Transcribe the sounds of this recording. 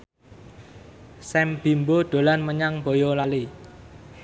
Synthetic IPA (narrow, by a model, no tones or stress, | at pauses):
sɛmb̥imbod̪̥o̤lanməɲaŋb̥o̤jolali